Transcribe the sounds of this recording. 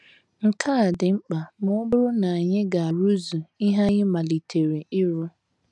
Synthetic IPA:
ŋ̩˨kʰa˦a˨dɪ˨ŋ͡m̩˦k͡pa˨mʊ˦ʊ˦bʊ˦ɾʊ˦na˨a˨ɲɪ˦ɡa˨a˨ɾu˦zu˨i˦ɦa˦ɣɪ˦ma˨li˨tʰe˨ɾe˨ʔɪ˦ɾʊ˦

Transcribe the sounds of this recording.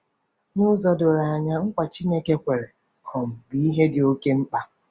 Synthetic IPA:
ɲo˦zɔ˨dʊ˨ɾa˨a˨ɲa˦ŋ̩˦kʷa˨t͡ʃi˦ne˦ke˦kʷe˨ɾe˨ | kʰɔ˨m̩˨bi˨i˦ɦe˦dɪ˨o˦ke˦ŋ͡m̩˦k͡pa˦

